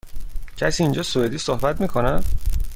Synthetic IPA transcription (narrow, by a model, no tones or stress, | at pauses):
cʰæsiːnd͡ʒɒːsoed̪iːsohbæt̪̚miːkʰonæm